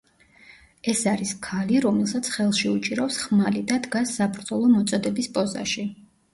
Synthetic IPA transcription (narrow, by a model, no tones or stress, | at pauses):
ɛsaɾiskʰaliɾɔmɛlˠsat̪sʰχɛlˠʃiut͡ʃʼiɾaɔwsχmalid̪ad̪ɡasːabɾd̪zɔlˠɔmɔt̪sʼɔd̪ɛbispʼɔza̰ʃi